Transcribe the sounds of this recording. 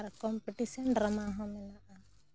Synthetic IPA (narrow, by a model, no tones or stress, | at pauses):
ɾkɔmpiʈisɔnɖɾamaɦɔ̃mɛnaʔa